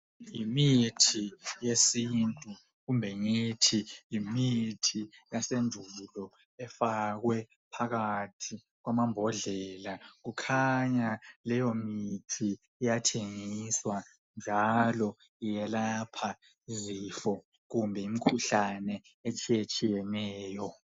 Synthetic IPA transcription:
imitʰijesintʼu | ɣumbʱɛŋitʰijimitʰijasend͡ʒʱulɔ | ɛfaɣwɛ | pʰaɣatʰi | ɣwamambʱɔɮɛlaɣukʰaɲalɛjomitʰi | ɛjatʰeŋiswa | nd͡ʒʱalɔ | ijɛlapʰa | zifɔ | ɣumbʱɛimikʰuɬanɛ | et͡ʃʼijet͡ʃʼijɛnɛːjɔ

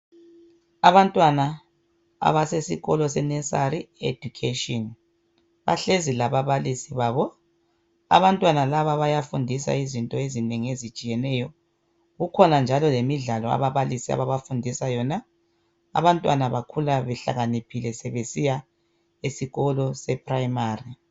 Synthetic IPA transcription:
aβantʼwana | a̰βasesiɣɔlɔsɛnɛsaɾiḛd̥ukʰeʃiɔn | βa̰ɬezilaβaβalisiβaːβɔ | a̰βantʼwanalaβaβajafundʱisa̰izintʼɔezineŋiezit͡ʃʼijɛnɛjɔ | ɣukʰɔnand͡ʒʱalɔlemiɮalɔa̰βaβalisia̰βaβafundʱisajɔna̰ː | βantʼwanaβakʰulaβɛɬa̰ɣanipʰilɛsɛβesija | esiɣɔlɔsɛpʰrajmaːri

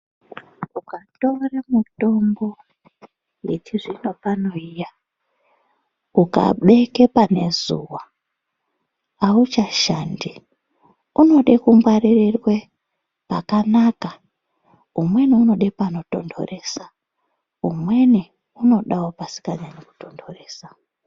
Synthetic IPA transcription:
ukatoramuto̞mbo̞ | jetiʐino̞pano̞ija | uka̰ɓe̞kepane̞zṵwa | aut͡ʃaʃandi | uno̞ɗekumwaririrwe̞ | pakanaka | umwe̞niuno̞ɗepano̞to̞ndo̰re̞sa | ṵmwe̞ni | uno̞ɗawopasi̥kaɲaneku̥to̞ndore̞ːsḁ

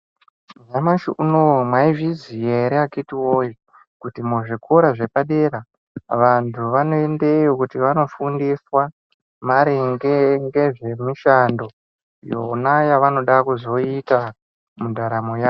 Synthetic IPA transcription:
ɲamaʃuʔunomwaivizije̞ɾeakitiwoji | kutimuʐikʰoɾaʐe̞paɗe̞ɾa | ʋantʰuʋanoe̞nde̞jokutiʋano̞fundiswa | maɾiŋɡeŋɡe̞ʐe̞miʃando̞ | jo̰najaʋano̞ɗakuzo̞ita | mudʱaɾamojaː

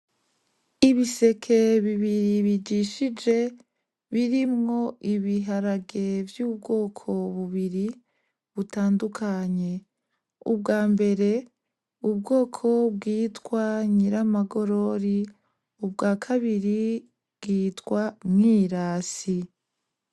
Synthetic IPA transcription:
iβise̞kʰe̞βiβiɾiβid͡ʒiʃid͡ʒe̞ | βiɾimŋo̞iβiɦaɾaɡe̞vjuːbɡo̞ːkʰo̞βuβiɾi | βutaːndukʰaɲe | ṵb̚ɡaːmbe̞ɾe̞ | ub̚ɡo̞ːkʰo̞bɡiːtwaɲiɾamaɡo̞ɾo̞ɾi | ubɡaːkʰaβiɾi | bɡ̥iːtkwamŋiːɾaːsi

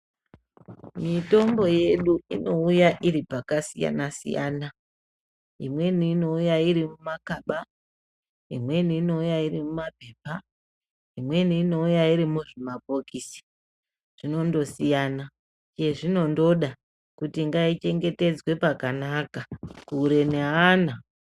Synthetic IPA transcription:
mito̞mbo̞je̞ɗuino̞ujaʔiɾipakasija̰nasḭja̰ːna | imwe̞niːno̞ujaiɾimumakaɓa | ḭmwe̞niːno̞ujairimumape̞ːpa | imwe̞niːno̞ujaiɾimuʐemapo̞kisi̥ | ʐ̥ino̞ndo̞sijana | t͡ʃieʐino̞ndo̞ɗa | kutiŋɡait͡ʃe̞ŋɡe̞te̞d͡zwe̞pakanakakuːɾe̞neɦana

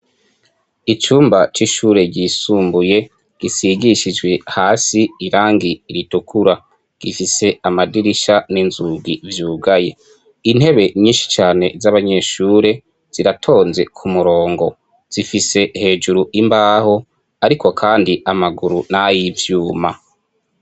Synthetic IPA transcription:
it͡ʃuːmbat͡ʃiʃuːɾe̞ɟisuːmbuje̞ | ɡ̥isiɡiʃid͡ʒɡwe̞haːsiiɾaːŋɡiːɾitukʰuɾa | ɡ̥ifise̞amadiɾiʃaninzuɡivjuːɡaje̞̰ | in̥he̞βe̞ɲiːnʃi̥t͡ʃaːne̞zaβaɲe̞ʃuːɾe̞ | z̥iɾatʰo̞ːnze̞kʰumuɾo̞ːŋɡo̞ | z̥ifise̞he̞ːd͡ʒuɾuʔimbaːho̞ | aɾiko̞kʰaːndiʔamaɡuɾunajivjuːma

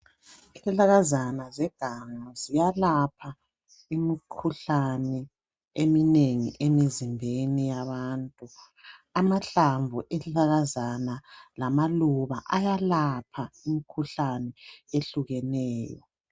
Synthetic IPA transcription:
izɛɬaɣazanazɛɡ̥ʱaŋazijalapʰa | imikʰuɬanɛ | emineŋḭʔemizimbʱenijaβaːntʼu | amaɬaɱvʱuʔɛɬaɣazanalamaluβa̰ʔajalapʰaimikʰuɬanɛeɬuɣɛnɛːjɔ̰

